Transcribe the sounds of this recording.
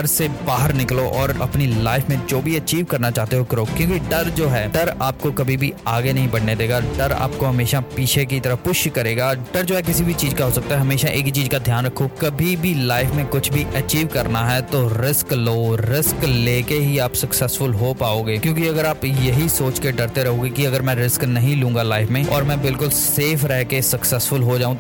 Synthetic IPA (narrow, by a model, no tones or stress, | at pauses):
ɐɾsebaːɦəɾnɪkloʔɔːɾɐ̰pnilaːɪfmẽd͡ʒoːbʱiɐt͡ʃiːʋkɐɾnat͡ʃaːɦt̪eɦokɾoːkjõːkiɖɐɾd͡ʒoːɦɛːɖɐɾaːp̚kokɐbʱibʱiaːɡenɐɦĩbɐɽ̤ned̪eːɡaɖɐɾa̰ːp̚koɦɐmeːʃapiːt͡ʃʰek̬it̪ɐɾəpʊʃkɐɾeːɡaːɖɐɾd͡ʒoːɦɛk̬ɪsibʱit͡ʃiːzkaɦoːsɐk̚t̪aɦɛɦɐmeːʃaʔeːkt͡ʃiːzkad̪ʱjaːnɾɐkʰːokɐbʱibʱilaːɪfmẽkʊt͡ʃʰbʱiʔɐt͡ʃiːʋkɐɾnaɦɛt̪oɾɪskloːɾɪskleːkeɦiaːpsɐksɛsfʊlɦopaːoːɡeːkjõːkiɐɡəɾaːpjɐɦisoːt͡ʃkeɖɐɾt̪eɾɐɦõːɡekiɐɡəɾmɛ̃ːɾɪsknɐɦĩlũːŋɡalaːɪfmẽːɔ̰ːɾmɛ̃ːbɪlkʊlseːfɾɛɦkesɐksɛsfʊlɦod͡ʒaːũ